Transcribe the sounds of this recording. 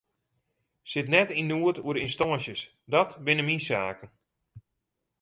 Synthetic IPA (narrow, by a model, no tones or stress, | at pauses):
sɪtnɛtinːuətuəɾɪnstɔːnsjəs | dɔtbɪnəminsaːkən̩